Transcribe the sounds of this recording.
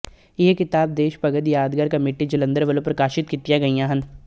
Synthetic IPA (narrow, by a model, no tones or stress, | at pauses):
jɦekɪt̪aːb̚d̪eːʃpɐɡəd̪jaːd̪ɡaɾkɐmeːʈid͡ʒɐlə̃nd̪əɾʋɐlõpɾɐkaːʃɪt̪kit̪ijaɡɐijãːɦɐ̃nd̪